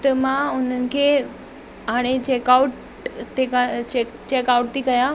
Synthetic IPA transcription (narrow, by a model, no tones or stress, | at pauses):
t̪əmãʊn̤ənɪ̆kʰeː | ɦaːɽ̃et͡ɕeːkaʊʈ | t̪eke | t͡ɕeːkaʊʈ̚t̪ʰikɐja